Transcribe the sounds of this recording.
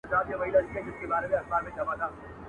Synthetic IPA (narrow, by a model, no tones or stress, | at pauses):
saːt̪jaʋɐilad͡ʒiẽd͡ʒɪskebaːɾemẽɐxbaːɾmẽt͡ʃɐʋaːd̪aː